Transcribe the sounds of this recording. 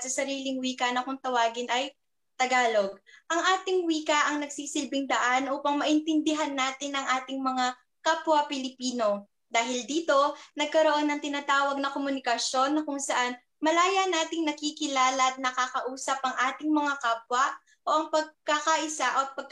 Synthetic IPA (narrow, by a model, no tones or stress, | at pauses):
sɐsɐɾiːlɪŋwiːkɐnɐkʊŋt̪ɐwaːɡɪnʔɐj | t̪ɐɡaːlo̞ɡ̚ʔɐŋʔaːt̪ɪŋwiːkɐʔɐŋnɐɡsiːsɪlbɪŋd̪ɐʔanʔuːpɐŋmɐʔɪnt̪ɪnd̪ɪɦanːaːt̪ɪnɐŋʔaːt̪ɪŋmɐŋa | kaːpwɐpɪlɪpiːno̞ | d̪aːɦɪld̪iːt̪o̞nɐɡ̚kɐɾo̞ʔo̞nːɐŋt̪ɪnaːt̪aːwɐɡ̚nɐkomʊnɪkɐsjo̞nːɐkʊŋsɐʔan | mɐlaːjɐnaːt̪ɪŋnɐkikɪlaːlɐt̪̚nɐkakɐʔuːsɐpʔɐŋʔaːt̪ɪŋmɐŋakaːp̚wɐ | ʔo̞ʔɐŋpɐɡ̚kakaʔɪsaʔot̪̚pɐɡ̚k